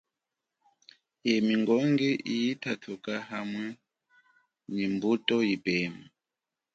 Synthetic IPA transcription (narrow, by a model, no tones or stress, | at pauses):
jɛmiŋɡɔŋɡɛʔijitʰatʰukaɦamwɛ | nimbutʼɔjipɛːma